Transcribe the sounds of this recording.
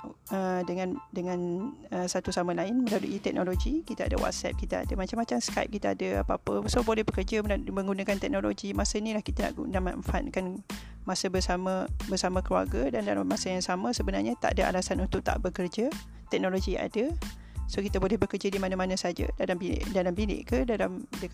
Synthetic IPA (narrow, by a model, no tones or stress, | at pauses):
ədəŋãndəŋãnəsat̪usamə̃laɪnmə̃ladṵʔit̪ɛk̚noloɡikit̪aa̰də̰wa̰t̪̚sɛ̰p̚kit̪əa̰dəmat͡ʃamːat͡ʃamskaɪp̚kit̪əa̰dəa̰paapəsobolɛhbəkərd͡ʒəmə̃ŋɡunakant̪ɛk̚noloɡimasəinĩlahkit̪ana̰ʔɡunaʔma̰ʔfankan | masəbəsaməbərsamə̃kəlua̰rɡədandalamːasəjaŋsamə̃səbənarɲət̪a̰ʔdaʔa̰lasanunt̪ʊʔ̚t̪a̰ʔbəkərd͡ʒa | t̪ɛk̚noloɡia̰ŋʔa̰də | sokit̪əbolɛhbəkərd͡ʒadimanamanə̃sad͡ʒə̰dalambḭʔdalambilɪ̰ʔkədalamdək